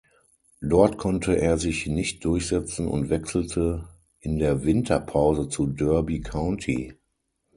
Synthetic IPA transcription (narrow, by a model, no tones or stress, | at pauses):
dɔɐtkʰɔntʰəʔeːɐzɪçnɪçt̚d̥ʊɐçz̥ɛt͡sn̩ʊ̰ntv̥ɛksl̩tʰə | ʔɪndeːɐvɪntʰɐpʰaʊzət͡sudœɐbikʰaʊntʰḭ